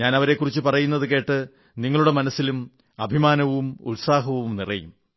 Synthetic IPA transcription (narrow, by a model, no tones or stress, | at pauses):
ɲaːnɐʋɐɾe̞kːurit͡ɕːɨpɐrɐjunːɐðɨke̞ːʈːɨ | niŋːɐɭuɽe̞mɐnɐsːilum | ɐbʱimaːnɐʋumṵlsaːɦɐʋuumnirɐjṵm